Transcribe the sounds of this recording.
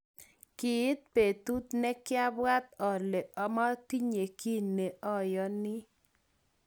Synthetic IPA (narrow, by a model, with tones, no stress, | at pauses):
kɪ˨˦t̪̚pe˨t̪u˦t̪nɛ˦kja˦bwa˦t̪ɔ˨ɾle˨ʔɔ˨˦ma˦t̪i˦ɲe˨ki˦nːe˨ʔɔ˦˨jɔ˦nɪ˦